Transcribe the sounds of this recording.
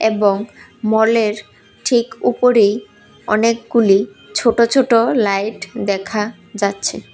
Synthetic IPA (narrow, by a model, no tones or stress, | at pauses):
eboŋ | mɔleɾ | ʈʰikupoɾej | ɔnek̚ɡuli | t͡ɕʰoʈot͡ɕʰoʈolajʈd̪ɛkʰa | d͡ʑatːɕʰe